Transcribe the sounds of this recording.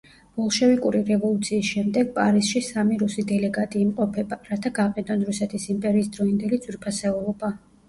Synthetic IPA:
vɔlˠʃɛvikʼuɾiɾɛvɔlˠut̪sʰiːsʃɛmd̪ɛɡ̥̚pʼaɾisʃisamiɾusid̪ɛlɛɡat̪ʼiːmqʼɔpʰɛbaɾat̪ʰaɡaqʼɛd̪ɔnɾusɛt̪ʰisimpʼɛɾiːsd̪ɾɔind̪ɛlid̪zwiɾpʰasɛɔlɔba

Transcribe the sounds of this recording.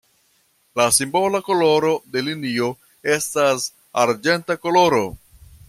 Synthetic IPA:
lasimbo̞lako̞lo̞ɾo̞de̞linio̞ | e̞stas | aɾd͡ʒe̞ntako̞lo̞ɾo̞

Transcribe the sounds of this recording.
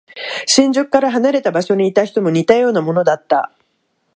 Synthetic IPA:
ɕĩɲ̟d͡ʑokkːaɾaɦanaɾe̞t̪abaɕo̞ɲ̟iːt̪açi̥t̪o̞mo̞ɲ̟it̪ajo̞ːnamo̞no̞d̪at̪ːa̰

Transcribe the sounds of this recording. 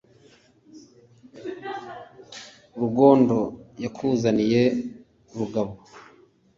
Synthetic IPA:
uɾuɡo̞ːndo̞jakʰuːzanije̞ | uɾuɡaβo

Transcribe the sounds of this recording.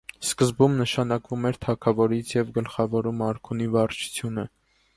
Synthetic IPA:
skəzbumnəʃɑnɑkvumɛɾt̪ʰɑkʰɑvɔɾit͡sʰjɛvɡəlχɑvɔɾumɑɾkʰunivɑrt͡ʃʰu̥t͡sʰjunə

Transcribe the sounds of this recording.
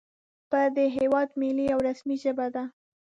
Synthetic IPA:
pəd̪əɦewɑd̪miliawɾasmiʒəbad̪a

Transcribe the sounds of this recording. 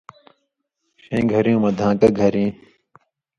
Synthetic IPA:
ɕẽːɡʱɐɾjũːmɐd̪ʱãːkɐɡʱɐɾĩː

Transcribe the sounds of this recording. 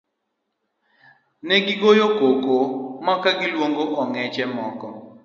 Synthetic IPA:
nɛɡɪɡojokokomakaɡɪlwoŋɡoʔɔŋɛt͡ʃɛmɔkɔ

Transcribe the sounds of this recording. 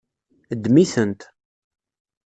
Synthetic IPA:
d̪miθənt̪

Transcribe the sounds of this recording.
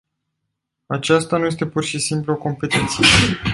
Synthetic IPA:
at͡ʃast̪anuje̞s̬t̪e̞purʃisimpluoko̞mpe̞t̪ent̪sije

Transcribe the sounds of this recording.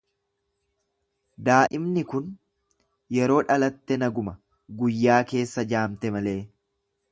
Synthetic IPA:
d̪aːʔɪmnɪkʊn | jɛɾo̞ːᶑɐlɐt̪ːɛnɐɡʊmɐ | ɡʊjːaːke̞ːsːɐd͡ʒaːmt̪ɛmɐle̞ː

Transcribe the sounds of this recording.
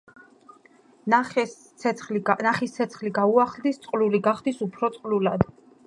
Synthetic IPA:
nsʰ | ɛχlnaχist̪sʰɛt̪sʰχliɡauaχlˠd̪ist̪sʼqʼluliɡaχd̪isupʰɾɔt̪sʼqʼlulad̪̥

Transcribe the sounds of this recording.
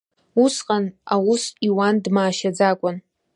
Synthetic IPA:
usqʼanawusiwandmaːʃad͡zakʷʼʊn

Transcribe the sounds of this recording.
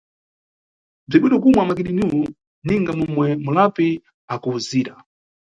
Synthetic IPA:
b͡ʐiɓwinɔk̬umwamakiɗinuwu | niŋɡamumwɛmulapi | akuuziːɾa

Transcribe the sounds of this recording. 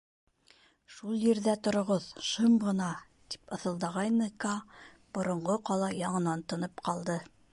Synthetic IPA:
ʃulˠjĭɾðæt̪ŏɾŏʁoðʃɤmʁɤ̆nɑ | t̪i̥pɤ̆θɤ̆lˠd̪ɑʁɑjnɤkɑ | b̥ŏɾŏɴʁoqɑlˠɑjɑɴɤ̆nɑnt̪ŏnɤpqɑlˠd̪ɤ

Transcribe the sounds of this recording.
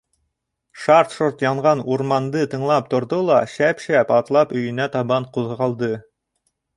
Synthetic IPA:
ʃɑrt̪ʃoɾt̪jɑɴʁɑnuɾmɑnd̪ɤt̪ɤ̆ɴlˠɑp̚t̪ŏɾðolˠɑʃæpʃæpɑt̪lˠɑpɵ̆jɘ̆næt̪ɑβɑɴquðʁɑlˠd̪ɤ

